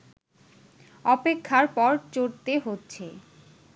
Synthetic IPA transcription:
ɔpekʰːaɾpɔɾt͡ɕoɾt̪eɦotːɕʰe

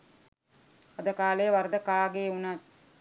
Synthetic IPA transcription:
ad̪əkaːlejəʋaɾd̪əkaːɡeːunat̪

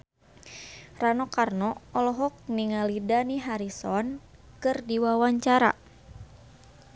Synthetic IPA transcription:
ranɔkarnɔɔlɔɦɔk̚niŋalidaniɦaɾisɔn | kɨrdiwawaɲt͡ʃaɾa̰

